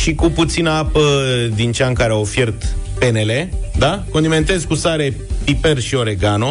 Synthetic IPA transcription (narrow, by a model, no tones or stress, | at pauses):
ʃikuput̪sinəapəd̪int͡ʃaŋkaɾeawofje̞rt̪pe̞ne̞le̞d̪ako̞nd̪ime̞nt̪e̞zkusaɾe̞pipe̞rʃio̞ɾe̞ɡano